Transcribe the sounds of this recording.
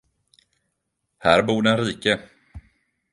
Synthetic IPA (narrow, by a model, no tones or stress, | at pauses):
hæːɾbuːɖɛnɾiːkə